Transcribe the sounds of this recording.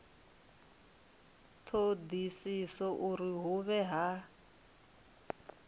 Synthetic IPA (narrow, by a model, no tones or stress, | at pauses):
t̪ʰod̪isisɔʔuɾiɦuβɛɦa